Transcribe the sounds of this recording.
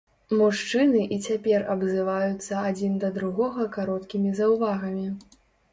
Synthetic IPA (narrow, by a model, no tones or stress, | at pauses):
muʂt͡ʂɨnɨʔit͡sʲapʲɛrɐbzɨvajut̪sːɐad͡zʲind̪ɐd̪ɾuɣɔɣɐkaɾɔt̪kʲimʲizɐwvaɣɐmʲi